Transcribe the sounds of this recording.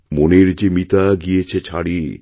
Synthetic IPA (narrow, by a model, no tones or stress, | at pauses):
moneɾd͡ʑemit̪aɡijet͡ɕʰet͡ɕʰaɽi